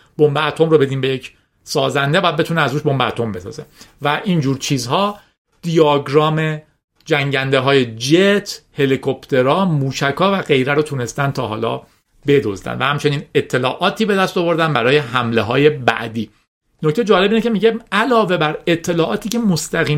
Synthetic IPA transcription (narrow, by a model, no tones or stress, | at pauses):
b̥ombeːt̪ʰo̞mɾobe̞d̪iːmbejecʰ | sɒːzænd̪ebɒːjæd̪̚et̪ʰuːneæzɾuːʃbo̞mbeæt̪ʰo̞mbe̞sɒ̰ːze̞̰væʔiːnd͡ʒuːɾt͡ʃʰiːzɦɒː | d̪̥ijɒːɡɾɒːme | d͡ʒæŋɟænd̪e̞ɦɒːjed͡ʒet̪ʰhe̞likʰo̞pt̪ʰe̞ɾɒːmuːʃækʰɒːvæɣe̞jɾæɾot̪ʰune̞st̪ænt̪ʰɒːɦɒ̰ːlɒ̰ː | be̞d̪o̰zd̪æ̰nvæhæmt͡ʃʰeniːne̞t̪ʰːe̞lɒːʔɒːt̪ʰiːbed̪æst̪ovo̞ɾd̪ænbæɾɒːje̞ɦæmleɦɒːje̞bæ̰ʔd̪iː | noc̚ʰt̪ed͡ʒɒːle̞biːnecʰemiːɟeælɒːve̞bæɾe̞t̪ʰːe̞lɒːʔɒːt̪ʰiːcʰe̞most̪æɣiː